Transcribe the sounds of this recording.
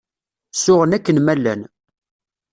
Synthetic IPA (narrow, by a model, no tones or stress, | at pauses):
sʊʁənækːənmælːæ̰n